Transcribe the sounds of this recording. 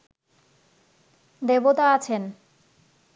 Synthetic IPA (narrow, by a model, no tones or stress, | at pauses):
d̪ebot̪aat͡ɕʰen